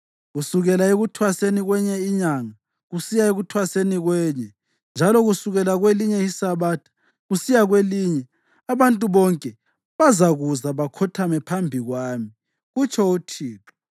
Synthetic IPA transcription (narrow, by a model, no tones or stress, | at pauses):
ɣusuɣɛlaeɣutʰwaseniɣwɛɲɛiɲaŋa | ɣusijaeɣutʰwaseniɣwɛːɲɛ | nd͡ʒʱalɔɣusuɣɛlaɣweliɲɛisaβaːtʰḁ | ɣusijaɣweliɲɛ | aβantʼuβɔŋkʼɛ | βazaɣuzaβakʰɔtʰamɛpʰambʱiɣwaːmi | ɣut͡ʃʰɔutʰiːpʰɔ̥